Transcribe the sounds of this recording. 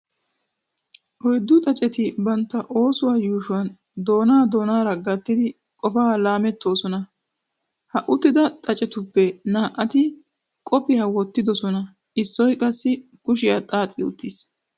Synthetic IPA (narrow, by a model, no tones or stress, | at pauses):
ʔɔjd̪ːʊt̪ʼɐt͡ʃʼɛt̪ɪbɐnt̪ːɐʔo̞ːsʊwaːjuːʃʊwɐn | d̪o̞ːnaːd̪o̞ːnaːɾɐɡɐt̪ːɪd̪ɪ | kʼɔfaːlaːmɛt̪ːo̞ːsɔnɐ | hɐʔʊt̪ːɪd̪ɐt̪ʼɐt͡ʃʼɛt̪ʊpːɛnaːʔɐt̪ɪ | kʼɔpːɪjɐwɔt̪ːɪd̪ɔsɔnɐ | ɪsːɔjkʼɐsːɪ | kʊʃɪjat̪ʼaːt̪ʼɪʊ̰t̪ːɪs